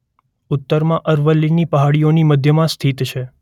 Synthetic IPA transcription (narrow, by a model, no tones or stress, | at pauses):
ʊt̪ːəɾmãʔəɾʋəlːinipəɦaɽijoniməd̪ʱjəmãst̪ʰit̪t͡ʃʰe